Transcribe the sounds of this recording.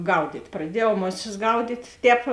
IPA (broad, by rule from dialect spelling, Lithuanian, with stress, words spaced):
ˈɡɐʊdʲiːtʲ prɐˈdʲiɛjɛʊ ˈmoːˌsʲɪs ˈɡɐʊdʲiːtʲ ˈtʲɛːp